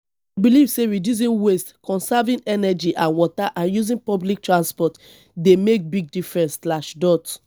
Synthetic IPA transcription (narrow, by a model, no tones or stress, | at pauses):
ibilivseɹidjus̬ĩnwestkɔ̃nsavĩnɛnɛd͡ʒiʔãnwɔtaʔãnjuzĩnpɔblik̚tɹãnspɔt | demek̚biɡ̚difɹɛ̃nsslaʃdɔt